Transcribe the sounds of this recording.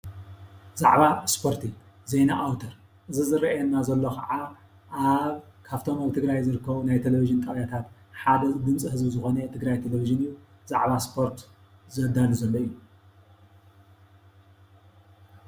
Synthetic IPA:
z̥a̰ʕβaspʰo̞ɾt̪ʰi | zejnaʔawt̪ʰɐɾ | ʔɨzizɨɾɐʔɛnːazɐlːokʰɐ̰ʕa | ʔaβ | kʰaft̪ʰo̞maβt̪ʰɨɡɾajzɨɾɨkʰːɐβunajt̪ʰeleviʒɨnt̪ʼɐʔjat̪ʰat̪ | ħad̪ɐd̪ɨmt͡sʼihɨzbɨzɨxo̞nɐt̪ʰɨɡɾajt̪ʰeleviʒɨnɨjːu | z̥a̰ʕβaspʰo̞ɾt̪ | zɐd̪aluzɐlːoijːu

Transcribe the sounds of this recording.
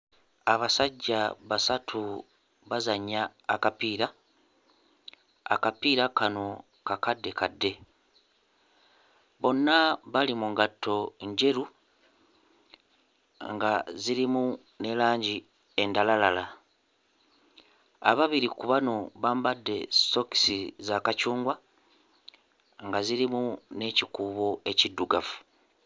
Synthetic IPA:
aβasaɟːaβasatʰu | βazaɲːaːkapiːɾa | a̰kapiːɾakano̞ | kakadːe̞kadːe̞ | βo̞nːaβalimuŋɡatʰːo̞ɲɟe̞ɾu | ŋɡaziɾimu | ne̞laːɲɟi | e̞ndalalala | a̰βaβiɾikuβano̞βaːmbadːe̞̰so̞ki̥sizakacuːŋɡwa | ŋɡaziɾimune̞cikuːβo̞e̞cidːuɡafu̥

